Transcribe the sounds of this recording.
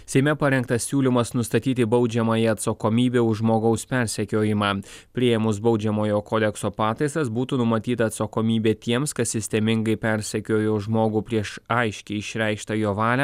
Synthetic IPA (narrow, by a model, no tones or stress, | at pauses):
sʲɛɪmʲɛpɐɾʲɛŋkt̪ɐsʲsʲuːlʲɪmɐsnʊst̪ɐt̪ʲiːt̪ʲɪbɒʊd͡ʒʲɛmɐjɛɐt̪sɐkoːmʲiːbʲeːʊʒmoːɡɐʊspʲɛɾʲsʲɛkʲoːjɪmɑːpʲɾʲiɛjɛmʊsbɒʊd͡ʒʲɛmoːjoːkoːd̪ʲɛksoːpɑːt̪ɐɪsɐsbuːt̪uːnʊmɐt̪ʲiːt̪ɐːt̪sɐkoːmʲiːbʲeːt̪ʲiɛmskɐt̪sʲɪsʲt̪ʲɛmʲɪŋɡɐɪpʲɛɾʲsʲɛkʲoːjoʒmoːɡuːpʲɾʲiɛʃɐɪʃʲkʲɛɪɪʃʲɾʲɛˑɪkʃt̪ɐjoːʋɑːlʲɛ